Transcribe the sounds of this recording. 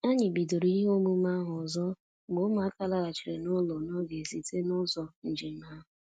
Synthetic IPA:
a˦ɲɪ˨bi˨do˨ɾi˦i˦ɦo˦mu˦ma˦ɦʊ˨zɔ˦˨ | ɡ͡bo˦ma˨˦a˦ka˦la˦ɾa˨t͡ʃi˨ɾe˨nʊ˦lɔ˨no˦ɡe˨zi˨te˦nʊ˦zɔ˦n̩˨d͡ʒɪ˨˦ma˦ɦʊ˨

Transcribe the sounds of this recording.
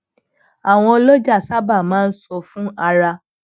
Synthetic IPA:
a˨w̃ɔ̃˧o˧lo˦d͡ʒa˦˨sa˦ba˦˨mãː˦n̩˦sɔ˧fũ˦a˧ɾa˧

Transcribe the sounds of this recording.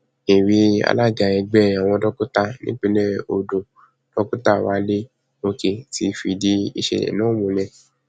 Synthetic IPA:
i˨wi˧˦a̰˧la˦˨ɡa˨ɛ˧ɡ͡bɛ˦˨jã˨w̃ɔ̃˧dɔ˦ku˦ta˧nḭ̃˦k͡pi˦lɛ˦o˨do˨ | d̥ɔ˦ku˦ta˦˨wa˨˦le˦ | o˧ke˨ti˧fi˧˨di˧˦i˧ʃḛ˧˨nã˦˨mũ˨lɛ̃˧

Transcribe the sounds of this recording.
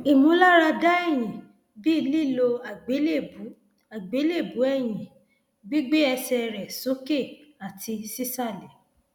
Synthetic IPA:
i˨mũ˨˧˦la˦ɾa˧da˦ɛ˦˨j̃ĩ˨ | bi˦˧li˦˨lo˧˨e˦e˦˨u˨˦ | a˨ɡ͡be˨˦le˦˨bu˨˦ɛ˦˨j̃ĩ˨ | ɡ͡bi˦ɡ͡be˦ɛ˧sɛ˧ɾɛ˨so˨˦ke˦˨a˨ti˧si˦sa˦˨lɛ˨

